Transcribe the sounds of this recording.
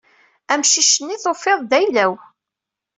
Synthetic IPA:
æmʃiʃənːiθofːeðˤðæjlæw

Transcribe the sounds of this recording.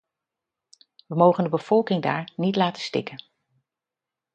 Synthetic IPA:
ʋəmowχəndəbəv̥ɔlˠkɪŋda̰ːɹnitlaːtə̥stɪ̰kən

